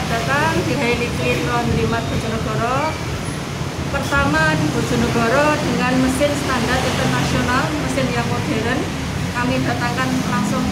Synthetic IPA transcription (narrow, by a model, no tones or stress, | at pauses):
ad̥a̤t̪aŋd̥ikailipit̪ɔnəɾimat̪̚b̥o̤d̥d͡ʒ̥ṳnəɡ̥ɔ̤ɾɔ | pərt̪amad̪̥i̤b̥o̤̥d͡ʒ̥ṳnəɡ̥ɔ̤ɾɔd̥əŋanməsɪnsət̪aŋɡat̪int̪ərnasionalməsɪnjaŋmod̥ɛ̤ɾən | kamid̥a̤t̪aŋkanlaŋsʊŋ